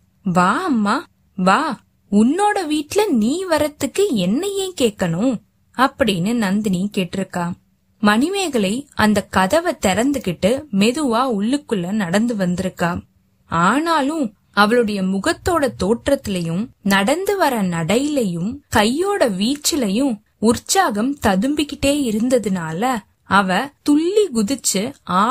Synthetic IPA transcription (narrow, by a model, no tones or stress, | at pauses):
ʋaːɐmːaː | ʋaː | ʊnːoːɽɐʋiːʈːɪlɐniːʋɐɾɐt̪ːɯkːɯɛnːɐjẽːkeːkːɐɳʊ̃ | ɐpːɐɽɪnːɯnɐnd̪ɐnikeːʈːɪɾɯkːaːm | mɐnɪmeːɣɐɭɐɪɐnd̪ɐkɐðɐʋɐt̪ɛɾɐnd̪ɯkɪʈːɯmɛðɯʋaːʊɭːɯkːɯɭːɐnɐɽɐnd̪ɯʋɐnd̪ɪɾɯkːaːm | aːnaːlɯ̃ | ɐʋɐɭɯɽɐjɐmʊɣɐt̪ːoːɽɐt̪oːʈrɐt̪ːɪlɐjɯ̃mnɐɽɐnd̪ɯʋɐɾɐnɐɽɐjɪlɐjɯmkɐjːoːɽɐʋiːt͡ʃːɪlɐjɯ̃m | ʊrt͡ʃaːɣɐmt̪ɐðɯmbɪkːɪʈːeːɪɾɯnd̪ɐðɯnaːlɐ | ɐʋɐt̪ʊɭːiɡʊðɪt͡ʃːɯaː